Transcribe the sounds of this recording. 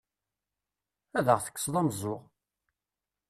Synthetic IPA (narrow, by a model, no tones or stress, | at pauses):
æðəʁθə̥kːə̥sˤðˤɑmzˤʊʁ